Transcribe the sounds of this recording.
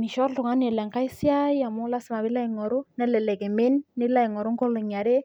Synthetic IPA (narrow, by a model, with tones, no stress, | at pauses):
mi˨ʃɔ˦ɾtʊ˨ŋa˦nɛ˨lɛ˨ŋka˦jsi˦a˦ja˨mʊ˦la˦sma˨bɪ˦la˦jŋɔ˨ɾʊ˦nɛ˦lɛ˨lɛ˨ɡɪ˨mɪ˦nːɪ˦la˦jŋɔ˨ɾʊ˦ŋɡɔ˦lʊ˨ɲa˨ɾe˦